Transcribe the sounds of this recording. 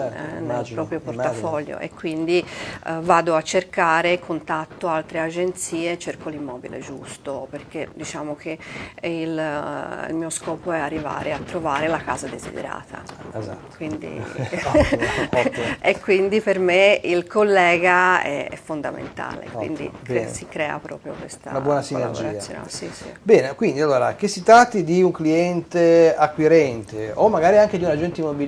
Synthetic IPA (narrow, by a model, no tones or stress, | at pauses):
nelpɾɔːpɾjoport̪afɔʎːo̰ʔḛkːwind̪ivaːd̪oat͡ʃːerkaːɾekʰont̪at̪ːoalt̪ɾead͡ʒent̪siːet͡ʃerkolimːɔːbḭlḛd͡ʒust̪operked̪it͡ʃaːmok̟eil | ḭlmiːoskɔːpoɛarːiva̰ːɾeat̪ːɾovaːɾelaka̰ːzad̪ezḭd̪ḛɾa̰ːt̪ʰa̰ | kwind̪ḭ | ekːwind̪ipeɾmeilkolːɛːɡaɛɛ̰fːond̪a̰mḛnt̪a̰ːlḛkwḭnd̪ḭɛsikɾɛːa̰pɾɔ̰ːpɾjo̰kwest̪anabbwɔnasineavd͡ʒoɾaasːjo̰na̰sisḭbɛːnekwind̪ialːoːɾa̰kesit̪ɾat̪ːid̪iuŋkliɛnt̪eakːwiɾɛnt̪eomːaɡaːɾiaŋked̪iunad͡ʒunt̪imːobi